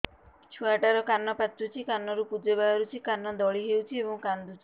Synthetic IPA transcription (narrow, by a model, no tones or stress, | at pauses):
t͡ʃʰuaʈaɾɔkanːɔpat̪ɾut͡ʃʰikanːɔɾupud͡ʒebaɦɔɾut͡ʃʰikanːɔd̪ɔɭiɦewt͡ʃʰiebɔŋkand̪ut͡ʃʰi̥